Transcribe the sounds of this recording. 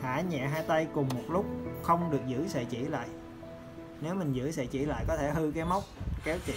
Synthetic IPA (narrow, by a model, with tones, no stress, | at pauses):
ha̰ː˧˩˥ɲɛ̰˧˨ɦaː˧jt̪a˧jkʊ˨˩ŋ͡mmo˨˩t̚lʊ˦˥k͡p̚xə˧wŋ͡mɗɨ˨˩ək̚zɨ̰˧˥sə̰˧˨t͡ɕḭ˧˩la̰ː˧˨j | ne˨˦wmï˨˩ŋzɨ̰˧˥sɛ̰˧˨t͡ɕḭ˧˩la̰ː˧˨jkɔ˨˦t̪ʰe˧˩hɨ˧kaː˨˦jma˦˥wk͡p̚kɛ˨˦˥t͡ɕḭ˧˨